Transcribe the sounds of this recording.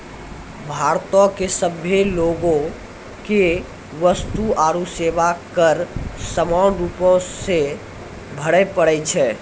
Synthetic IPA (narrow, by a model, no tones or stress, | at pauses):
bʱaɾt̪ɔkesəbʱeloɡõ | ke | ʋəst̪uaɾuseʋakəɾsəmawnɾupɔ̃se | bʱəɽɛpəɽɛt͡ʃʰɛ